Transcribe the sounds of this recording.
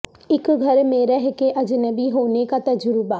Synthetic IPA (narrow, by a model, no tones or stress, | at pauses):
ɪkɡʱɐɾmẽɾɛɦkeʔɐd͡ʒnəbiɦoːnekat̪ɐd͡ʒɾʊbaː